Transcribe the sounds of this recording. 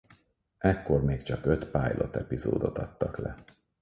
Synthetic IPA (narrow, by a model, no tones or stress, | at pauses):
ɛkːo̞rmeːkt͡ʃɒkø̞t̪paːjlʔo̞t̪ɛpizo̰ːd̪o̞t̪ɒt̪ːɒklɛ